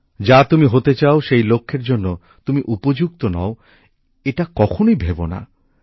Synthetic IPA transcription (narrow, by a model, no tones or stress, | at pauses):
d͡ʑat̪umiɦot̪et͡ɕaoʃejlokʰːeɾd͡ʑonːo | t̪umiʔupod͡ʑuk̚t̪onɔo | eʈakɔkʰonoijbʱebona̰